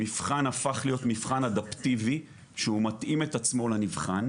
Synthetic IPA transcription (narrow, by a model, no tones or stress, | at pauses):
mifχanafaχlijo̞t̪mifχanad̪aptivi | ʃeumatʔime̞tat͡smo̞lanivχan